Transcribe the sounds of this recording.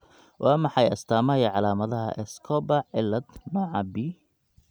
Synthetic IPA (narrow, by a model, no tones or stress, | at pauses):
wʔɑːmɑħɑjɐst̪ʰaːmɐjɐʕɑlaːmɐðɐɦɐ̰ʔɛskʰɔbɐʕɪlːɐd̪mɐʕɑbi